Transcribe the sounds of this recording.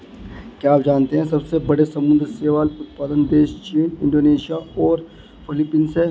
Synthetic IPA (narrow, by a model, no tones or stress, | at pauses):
kjaːpd͡ʒaːnt̪eɦɛ̃sɐbsebɐɽesɐmʊ̃nd̪ɾseːʋaːlʊt̪̚paːd̪ənd̪eːʃt͡ʃiːnɪ̃ɳɖoːneːʃijaɔːɾ | pʰɪlɪpːiːnse